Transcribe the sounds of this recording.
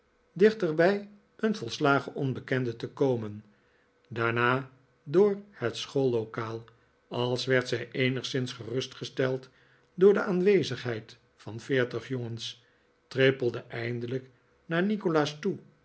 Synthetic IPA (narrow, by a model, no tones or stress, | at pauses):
dɪχtəɹbɛj | ənvɔlˠslaːχəʔɔnbəkɛndətəkowmən | daːɹnaː | dʊːɹhətsχolˠːokaːlˠ | ɑlˠsʋɛɹtsɛjʔejnəχsɪnsχərɵstχəstɛlˠt | dʊːɹdəʔaːnʋejzəχɦɛjt | fɑnfɪːɹtəχjoŋəns | trepəlˠdəʔɛjndələk | naːɹnikolaːstu